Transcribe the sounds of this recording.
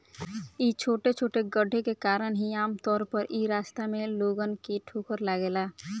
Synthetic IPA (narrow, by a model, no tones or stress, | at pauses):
iːt͡ʃʰoːʈet͡ʃʰoːʈeɡəɖʱːekekaːɾəɳɦiaːmt̪ɔːɾpəɾʔiːɾaːst̪amẽloːɡənkeʈʰoːkəɾlaɡeːla